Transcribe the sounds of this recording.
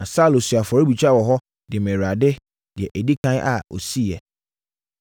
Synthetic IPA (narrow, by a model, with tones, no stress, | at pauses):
nã˨sa˦˨lʊ˨sɥa˨fɔ˨ɾɪ˦bi˨t͡ɕᶣa˦wɔ˨ɦɔ˦ | dɪ˨ɛ˨mɛ̃˨ɾa˨dɪ˦ | d̥ɪ˨ɛ˨ʔæ˨di˦kʰã˦ʔa̰˨o̰˨si˦ɛ˨